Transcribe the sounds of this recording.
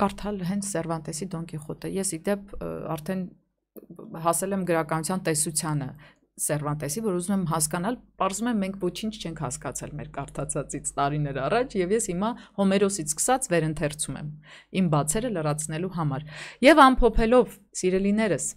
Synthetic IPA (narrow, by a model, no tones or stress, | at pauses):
kɑɾt̪ʰɑlɦɛnt͡sʰsɛrvɑnt̪ɛsid̪ɔŋkʰɛχɔt̪ɛjɛsid̪ɛp̚ʰɑ̰ɾt̪ʰɛn | ɦɑsɛlɛmɡəɾɑkɑnut͡sʰjɑnt̪ɛsut͡sʰjɑnə | sɛrvɑnt̪ɛsivɔɾuzumɛmɦɑskɑn̪ɑlpɑɾzumɛmːɛŋkʰvɔt͡ʃʰint͡ʃʰt͡ʃʰɛŋkʰhɑskɑt͡sʰɛlmɛ̰ɾkɑɾt̪ʰɑt͡sʰɑt͡sit͡sʰt̪ɑɾinɛɾɑrɑt͡ʃʰjɛvjɛshimɑhɔmɛɾɔsit͡sʰskə̥sɑt͡svɛɾənt̪ʰɛrt͡sʰumɛ̰mimbɑt͡sʰɛɾələrɑt͡sʰnɛluɦɑmɑɾjɛvɑmpʰɔpʰɛlɔv | siɾɛlinɛɾəs